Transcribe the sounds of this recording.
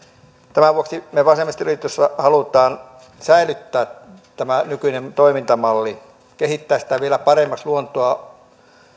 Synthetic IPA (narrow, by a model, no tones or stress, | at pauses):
t̪æmæʋuoksimeʋɑsemːˑist̪ylit̪øsːɑhɑlut̪ɑːn | sæilyt̪ːæː | t̪æmænykynent̪oimint̪ɑmɑlːi | kehit̪ːæːsi̥t̪æʋielæpɑremːɑsluont̪oɑ